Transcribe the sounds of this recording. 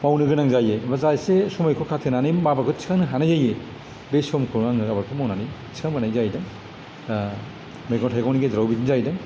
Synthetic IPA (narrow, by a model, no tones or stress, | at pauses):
mawnɯɡɯnaŋzajebazajsesɔmajkʰokʰatʰɯnanɯjmabakʰot͡ʃʰi̥kʰaŋnɯɦanajzaje | besɔmkʰɯaŋɯɡabaɾkʰomawnanijt͡ʃi̥kʰaŋmbanajzajdɐ | meɡɔntʰajɡɔwniɡezɾawbitʰinzajdɯ